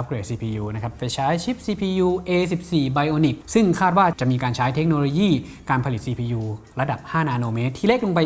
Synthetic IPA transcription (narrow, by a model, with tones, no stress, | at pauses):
a˦p̚kɾeː˨˩siː˧pʰiː˧juː˧na˦˥kʰa˦˥ppa˧jt͡ɕʰaː˦˥jt͡ɕʰi˦˥p̚siː˧pʰiː˧juː˧ʔeː˧si˨˩p̚siː˨˩ba˧jʔoː˧ni˨˩k̚sɯ˥˩ŋkʰaː˥˩t̪̚waː˥˩t͡ɕa˨˩ʔmiː˧kaː˧nt͡ɕʰaː˦˥jt̪ʰe˦˥k̚noː˧loː˧jiː˥˩ | kaː˧npʰa˧li˨˩t̪̚siː˧pʰiː˧juː˧ɾa˧da˨˩p̚haː˥˩naː˧noː˧meː˦˥t̪ʰːi˥˩le˥˩k̚lo˧ŋpa˧j